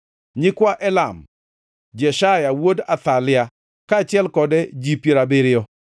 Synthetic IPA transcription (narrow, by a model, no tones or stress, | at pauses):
ɲɪkwaʔɛlam | d͡ʒɛʃajawodat̪alɪa | kat͡ʃɪɛlkɔdɛd͡ʒipjeɾabɪɾɪɔ